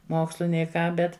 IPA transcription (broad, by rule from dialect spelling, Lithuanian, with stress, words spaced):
ˈmoːkslˠʊ nʲɛɪ ˈkɑː ˈbʲɛt